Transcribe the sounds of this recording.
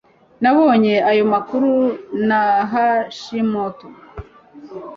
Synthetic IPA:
naβo̞ːɲe̞ajo̞makuɾunaɦaʃimoto

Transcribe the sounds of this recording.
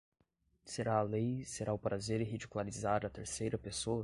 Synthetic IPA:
seɾaːlejseɾʔaʊpɾazeɾɪɦid͡ʒikulaɾizaɾɐt̪eɾsejɾɐpesoɐ

